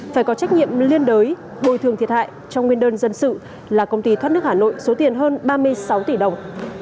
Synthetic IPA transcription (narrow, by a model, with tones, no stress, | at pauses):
faː˧˩jkɔ˨˦t͡ɕa˦˥k̚ɲḭ˧˨əmli˧ənɗəː˨˦j | ho̰˧˨jt̪ʰət̪ʰi˨˩ət̚ha̰ː˧˨jt͡ɕɔ˧ŋ͡mŋi˧ənɗəː˧nzə˧nsɨ̰˧˨ | laː˨˩kə˧wŋ͡mt̪i˧t̪ʰwaː˦˥tnɨ˦˥ək̚haː˨˩no̰˧˨jso˨˦t̪i˨˩ənɦəː˧nɓaː˧mɨ˧əjsa˨˦wt̪i˧˩ɗə˨˩wŋ͡m